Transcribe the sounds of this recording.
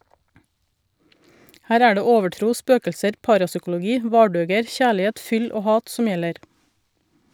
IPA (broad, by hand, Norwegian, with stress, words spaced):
ˈhæːɾ ˈæː ˈɖeː ˈoːʋəˌʈɾuː ˈspøːkʎsəɾ ˈpɑːɾɑsʏkʊlʊˌɡiː ˈʋɑːɖøːɡəɾ ˈçæːɭɪˌheːt ˈfʏl ˈoː ˈhɑːt ˈsʊm ˈjɛləɾ